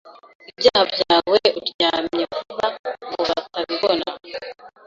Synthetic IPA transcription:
ibɟaːhabjaːweuɾjamɲekuβaŋɡoβataβiβona

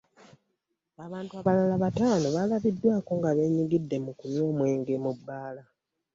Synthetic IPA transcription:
aβaːntuaβalalaβataːno̞βalaβidːwaːko̞ŋɡaβe̞ːɲiɡidːe̞mukunjo̞ːmwe̞ːŋɡe̞mubːaːla

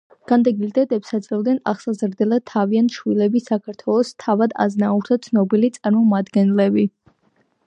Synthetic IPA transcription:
ɡ̥and̪ɛɡild̪ɛt̪ʼɛpsat̪sʼɾɛlˠd̪nɛna̰χsazɾd̪ɛlˠat̪ʰːaviant̪ʰʃwilɛbisakʰaɾt̪ʰwɛlˠɔst̪ʰavad̪a̰znauɾt̪ʰat̪sʰnɔbilit̪sʼaɾmɔmad̪ɡɛnlɛbi

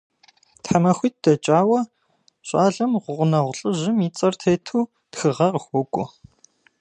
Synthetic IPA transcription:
tħamɐxʷiːt̚d̥ɐt͡ʃʼaːwɐ | ɕʷʼaːɮɐmʁʷʊʁʷʊnɐʁʷɬʼɨʑɪmiːt͡sʼɐrtʰeːtʰuː | txɨʁɐqəxʷɔkʷʼʊ

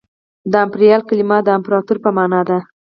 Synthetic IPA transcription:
d̪əampɾijɑlkalimɑd̪əampɾɑt̪uɾpəmɑnɑd̪a

